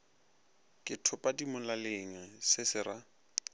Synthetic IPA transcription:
kʼɪtʰʊpʼadimʊlalɪŋasɪsɪra

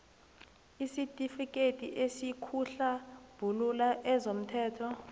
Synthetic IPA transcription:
isitʼifikʼetʼḭʔesikʰuɬab̥ʱululaʔɛzom̩tʰɛːtʰɔ

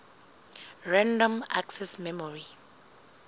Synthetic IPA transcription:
ɹãndɔ̃ma̰ksɛsmɛmɔɹi

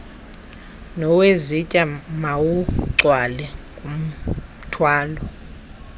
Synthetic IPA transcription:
nɔwezicʼamawuɡ͡ǀʱwalɛkʼum̩ | tʰwaːlɔ

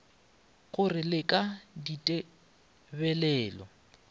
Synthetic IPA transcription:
ɣʊrɪlɪkʼaditʼɛ | bɛlɛːlɔ̰

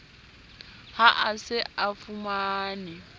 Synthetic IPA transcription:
haʔasɪafumaːnɪ

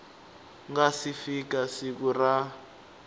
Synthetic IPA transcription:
ŋɡasifikasikura

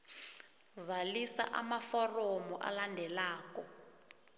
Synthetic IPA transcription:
zalisa̰ʔa̰mafɔromɔʔa̰landʱɛlaːkɔ

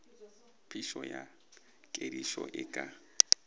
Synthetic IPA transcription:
pʰʼiʃɔja | kʼediʃɔʔɪkʼa

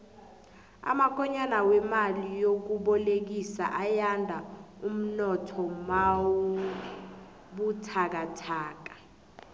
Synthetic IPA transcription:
a̰mak̬ʼɔɲanawɛmalijok̬uɓɔlek̬isa̰ʔajandʱaum̩nɔtʰɔmaw | ɓutʰak̬atʰaːk̬ḁ

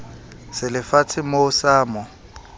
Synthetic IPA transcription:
sɪlɪfat͡sʰɪmoʊsaːmɔ

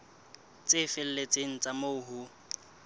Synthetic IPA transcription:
t͡sʼɪfɪl̩let͡sʼeŋ̩t͡sʼamoɦʊ

